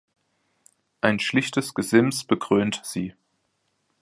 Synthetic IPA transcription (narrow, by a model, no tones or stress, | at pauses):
ʔaɪnʃlɪçtəsɡ̥əzɪmsb̥əɡʁ̥øːntz̥iː